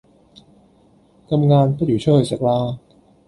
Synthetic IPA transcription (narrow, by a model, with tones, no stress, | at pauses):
kʰa˧mŋaː˧npa˧˥˩tjuː˨˩˦t͡ɕʰɤː˥˩jsa˨˩klaː˧